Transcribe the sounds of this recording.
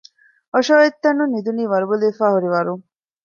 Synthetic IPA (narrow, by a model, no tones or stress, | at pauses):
oʃoːet̪ːɐnːunːid̪uniːʋɐɾuboleːfaːhuɾiʋɐɾuŋ